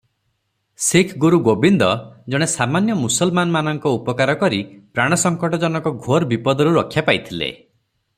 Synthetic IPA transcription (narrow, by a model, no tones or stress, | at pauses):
sekʰɡuɾuɡobind̪ɔd͡ʒɔɽ̃esamanjɔmusɔlmanɔmanɔŋkɔupɔkaɾɔkɔɾipɾaɽ̃ɔsɔŋkɔʈɔd͡ʒɔnɔkɔɡʱoɾbipɔd̪ɔɾuɾɔkʰːjapajt̪ʰilḛ